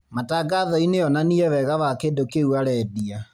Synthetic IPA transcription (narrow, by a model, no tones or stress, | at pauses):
mataɡaðɔineɔnaniɛβɛɣaβakedokeuaɾɛdia